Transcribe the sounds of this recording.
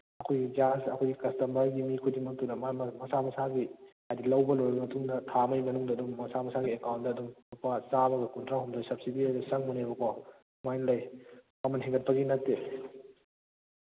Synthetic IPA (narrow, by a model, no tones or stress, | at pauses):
ɐkʰojɡid͡ʒasɐ̰kʰojɡikɐstɐmɐɾɡimikʰudimɐk̚tunɐmmɐsamɐsaɡi | ajdilɐwbɐlɔɾɐɾŋɐtʰuŋnɐtʰamɐjmɐnuŋdɐːdumːɐsamɐsaɡiekawntdɐːdumnupasabɐɡɐkuntʰɾaɦumdajsɐp̚sidiajdusɐŋmunebɐkʰɔ | majnlɐj | ɐmɐnɦeŋɡɐt̚pɐɡinɐtːe